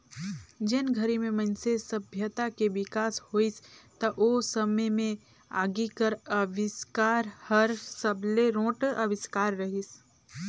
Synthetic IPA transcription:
d͡ʒɪnɡʱəɾimẽmɐnsesɐbʱjət̪akeʋɪkaːshoːist̪ɐʔoːsɐməjmẽ | a̰ːɡikəɾəʋɪskaːɾhəɾsəbleɾõːʈɐʋɪskaːɾːɐɦis

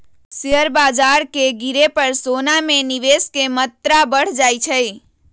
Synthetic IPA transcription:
siɦəɾbad͡ʒaɾkeɡiɾepəɾsonameniʋeskemət̪ɾabəɽ̤d͡ʒajt͡ʃʰəj

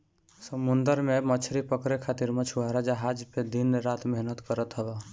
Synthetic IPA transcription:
səmund̪əɾmemət͡ʃʰɾipəkɾekʰat̪iɾmət͡ʃʰuaɾad͡ʒəɦad͡ʒped̪inɾat̪meɦnət̪kəɾət̪ɦəbɛ

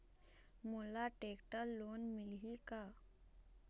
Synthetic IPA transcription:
mulaʈekʈəlːonmilɦika

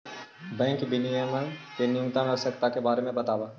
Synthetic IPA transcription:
bɛ̃ːŋkbɪnijəmənkenɪjʊkt̪ãnɐɾsəkt̪akebaːɾemẽbɐt̪aːbaː

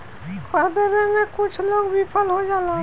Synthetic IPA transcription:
kʰəd̪əɾẽmẽkʊt͡ʃʰloːɡbipʰəlɦod͡ʒaːla

